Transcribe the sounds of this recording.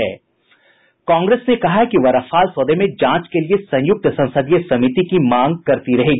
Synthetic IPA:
ɛː | kãːŋɡɾeːsnekɐɦakiʋɐɾɐfaːlsoːd̪emẽd͡ʒãːt͡ʃkeliesɐ̃j̃jʊk̚t̪sɐ̃nsəd̪ijesɐmit̪ikimãːŋɡ̚kɐɾt̪iɾɐɦeːɡ

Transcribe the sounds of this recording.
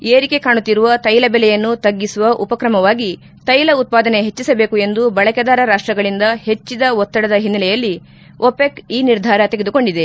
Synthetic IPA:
eːɾike̞kaːɳut̪ːiɾuʋɐt̪ɐjlɐbɛlɛjɐnːut̪ɐɡːisuʋɐʔupɐkɾɐmɐʋaːɡi | t̪ɐjlɐut̪̚paːd̪ɐne̞ɦet͡ʃːisɐbe̞ːkue̞nd̪ubɐɭɐkɐd̪aːɾɐɾaːʂʈɾɐɡɐɭind̪ɐhe̞t͡ʃːid̪ɐɔt̪ːɐɽɐd̪ɐɦinːɐlɛjɐlːi | ʔopekiːniɾd̪ʱaːɾɐt̪eɡed̪uko̞ɳɖid̪e̞

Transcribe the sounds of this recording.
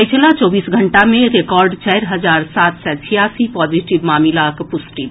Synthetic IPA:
əɪt͡ʃlat͡ʃɔːbiːsɡʱə̃ɳʈamẽɾekɔːɾɖt͡ʃɛːɾɦəzaːɾsaːt̪sɛt͡ʃʰijaːsipɔːziʈɪʋmaːmɪlakpʊsʈit̪

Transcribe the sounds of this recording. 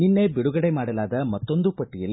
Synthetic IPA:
ninːeːbiɽuɣɐɽɐɪmaːɽɐlaːd̪ɐmɐt̪ːond̪upɐʈːɪjɐl

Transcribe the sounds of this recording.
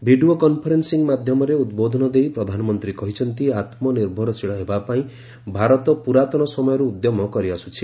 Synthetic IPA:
bʱiɖiokɔnpʰɔɾensiŋmad̪ʱjɔmɔɾeud̪bod̪ʱɔnɔd̪eipɾɔd̪ʱanɔmɔnt̪ɾikɔɦit͡ʃʰɔnt̪iat̪mɔniɾbʱɔɾɔsiɭaebapaĩ | bʱaɾɔt̪ɔpuɾat̪ɔɽ̃ɔsɔmɔjɔɾuːd̪jɔmɔkɔɾiasu̥t͡ʃʰi

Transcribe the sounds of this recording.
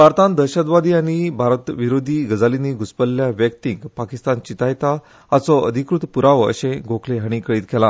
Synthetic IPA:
bʱaɾt̪ãnd̪əɕəd̪ʋad̪iːaɽ̃ibʱaɾt̪ʋiɾod̪ʱiːɡəd͡zaliniɡuspəlːjaʋjək̚t̪iŋɡpakist̪ant͡ɕit̪ajt̪aː | t͡sɔə̰d̪ʱikɾut̪puɾaʋə̰ɕẽɡʱõkʰleɦəɽ̃iːkəɭiːt̪kʰɛla

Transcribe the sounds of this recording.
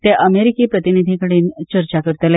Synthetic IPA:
t̪eʔəmeɾikiːpɾət̪inid̪ʱikəɽiːnt͡ɕəɾt͡ɕakəɾt̪əle

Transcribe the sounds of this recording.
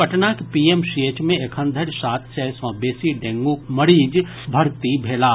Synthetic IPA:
pɐʈnakepiːemʃeːt͡ʃmẽekʰə̃nd̪ʱəɾsaːt̪ʰsɛːsɔ̃ːbeːsiɖẽːŋɡomɐɾiːd͡ʒ | bʱɐɾt̪ibʱeːlaː

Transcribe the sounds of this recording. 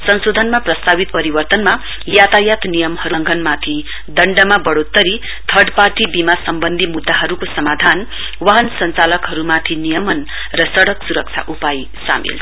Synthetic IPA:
sʌnsod̪ʱʌnmaprʌst̪abit̪̚pʌɾibʌrt̪ʌnma | jat̪ajat̪nijʌmhʌɾuŋɡʱʌnmat̪ʰi | d̪ʌɳɖʌmabʌɽot̪ːʌɾi | t̪ʰʌɖparʈibimasʌmbʌnd̪ʱimud̪ːaɦʌɾukosʌmad̪ʱan | waɦʌnsʌnt͡salʌkɦʌɾumat̪ʰinijʌmʌn | rʌsʌɽʌksuɾʌk̚t͡sʰa̰ʔupaj | sa̰mḭl

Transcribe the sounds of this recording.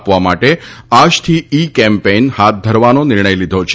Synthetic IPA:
pʋamaʈead͡ʒt̪ʰiikɛmpenhat̪̚d̪ʱəɾʋanonɪɾɳəjlid̪ʱot͡ʃʰ

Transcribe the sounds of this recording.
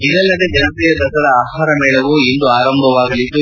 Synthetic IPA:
id̪ɐlːɐd̪ed͡ʒɛnɐp̪ɛjɐd̪ɐsɐd̪ɐaːɦaːɾɐmɛːɭɐʋuind̪uaːɾɐmbʱɐʋaːɡɐlit̪ːu

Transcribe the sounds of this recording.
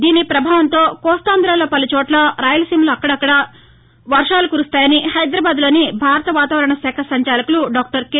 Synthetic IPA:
d̪iːnipɾɐbʱaːʋɐnt̪o̞ːkɔːst̪aːnd̪ɾaːloːpɐlut͡ʃɔːʈlɐɾaːjɐlɐsiːmloːɐkːɐɽɐːkːɐɽɐ | ʋɐɾʂaːlukuːɾust̪aːjɐnihɐjd̪ɾaːbaːd̪lo̞ːnibʱaːɾɐt̪ɐʋaːt̪aːʋɐɾɐɳɐsɛːkʰɐsɐɲt͡ʃaːlɐkuluɖaːk̚ʈɐɾke

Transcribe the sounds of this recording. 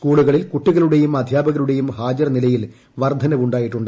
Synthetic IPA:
skuːɭuɣɐɭilkuʈːuɣɐluɽe̞jumɐd̪ʱjaːbɐɣɐluɽe̞jumhaːd͡ʑɐrnilɐjil | ʋɐrd̪ʱɐnɐʋuɳɖaːjiʈːuɳɖ

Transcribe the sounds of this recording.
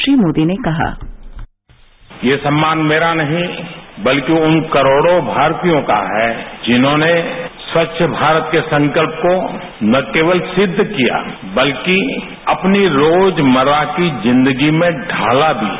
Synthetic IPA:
ʃɾiːmoːd̪inekɐɦa̰ː | jesɐ̃mːaːnmeːɾanɐɦĩbɐlkiʊnkɐɾoːɽobʱaːɾt̪ijõka̰ɦɛd͡ʒɪnɦõneswɐtːʃʰəbʱaːɾət̪kesɐ̃ŋkəlp̚ko | nɐkeːʋəlsɪd̪ʱːkija̰ː | bɐlki | ɐpniɾoːd͡ʒmɐɾwakizɪ̃nd̪əɡimẽɖʱa̰ːlab̪ʱḭː

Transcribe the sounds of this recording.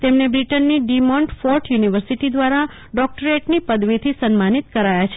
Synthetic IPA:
t̪emnebɾiʈənːiɖimɔ̃ɳʈfɔɾʈjuniʋəɾsiʈid̪ʋaɾa | ɖɔk̚ʈəɾeʈnipəd̪ʋit̪ʰisənmanit̪kəɾajat͡ʃʰe

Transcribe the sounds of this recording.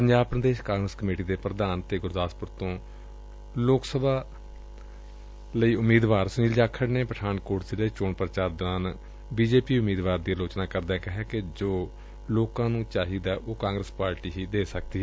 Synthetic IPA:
pəɲd͡ʒaːb̚pɾəd̪eːʃkãːŋɡɾəskəmeːʈiːd̪eːpɾəd̪aːnt̪eːɡʊɾd̪aːspʊɾt̪õː | loːksəbʱaː | ləiːʊmiːd̪ʋaːɾsniːld͡ʒaːkʰəɽneːpəʈʰaːnkoːʈseləiːt͡ʃoːɳpɾət͡ʃaːɾd̪ɪnaːn | biːd͡ʒeːpiːʊmiːd̪ʋaːɾd̪iːaloːt͡ʃnaːkəɾd̪ɛːkɪɦɛ̃ːked͡ʒoː | loːkãːnũːt͡ʃaːɦiːd̪ɛːʔoːkãːŋɡɾəspaːɾʈiːɦiːd̪eːsək̚d̪iːɛː

